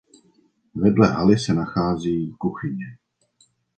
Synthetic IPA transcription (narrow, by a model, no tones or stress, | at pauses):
vɛdlɛ̰ʔalɪsɛnaxaːziːkuxɪɲɛ